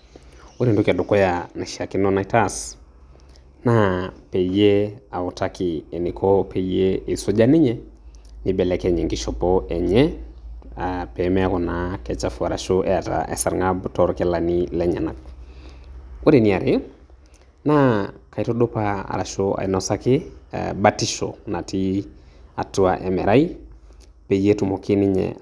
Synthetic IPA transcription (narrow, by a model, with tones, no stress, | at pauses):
u˦ɾe˨ndu˦ka˨do˨kɔ˦jana˨ʃia˨ki˦nɔ˦na˨i˦ta˦s | napɛ˨je˦a˨u˨takɪ˨ɛ˨ni˨kʰɔ˦pʰɛ˨je˦e˨sɔ˦d͡ʒa˦nɪ˦ɲɛ˦nɪ˦bɛ˨lɛkɛ˨ɲɛ˨ŋɡi˦ʃɔ˨pɔʔɛ˨ɲɛ˦ | apɛ˨mɛ˦a˦kɔ˨nakɛ˨t͡ʃa˨fua˨ɾa̰˨ʃoʔɛ˨a˨ta̰ʔɛ̰˨sa˨ɾŋabtɔɾkɛ˦lanilɛɲɛ˨na˨k̚ | wo˦ɾe˨ni˨a˨ɾe˦ | na˦ka˨ito˦do˦paa̰˨ɾa̰˨ʃoa̰˨inɔsakɪ̰˦batiʃo̰na˨tʰi˦a˨tu˦a̰ʔɛ˨mɛ˨ɾa˦i˦ | pe˨je˦tumo˨ki˦ni˦ɲɛ̰